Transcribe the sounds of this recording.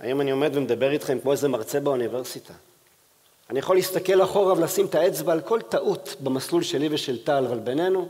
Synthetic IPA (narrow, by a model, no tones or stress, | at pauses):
a̰jomanio̞me̞d̪vemed̪abe̞ʁit̪χe̞mkmo̞zemaʁt͡se̞baunive̞ʁsit̪ʰa | anijaχo̞lːiistake̞laχo̞ʁavelasimt̪ae̞t͡sbalkʰo̞lt̪aʔut̪bemaslulʃe̞liveʃe̞lt̪alvalbene̞nu